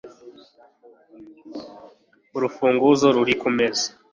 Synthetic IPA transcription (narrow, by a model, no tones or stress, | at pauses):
uɾufuːŋɡuzoɾuɾikumeze